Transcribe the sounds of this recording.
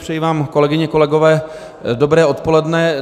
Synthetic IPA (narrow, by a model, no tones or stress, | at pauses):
pr̥ɛjivaːmko̞lɛɡɪɲɛko̞lɛɡo̞vɛː | dobɾɛːʔo̞t̪po̞lɛdnɛ